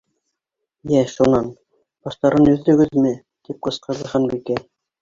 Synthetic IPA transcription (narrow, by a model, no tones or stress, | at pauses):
jæʃunɑn | bɑʃt̪ɑɾɤnɵ̆ðːɵ̆ɡɘðmɘ | t̪ip̚qɤ̆sqɤ̆ɾðˠɤ̆ʁɑnbikæ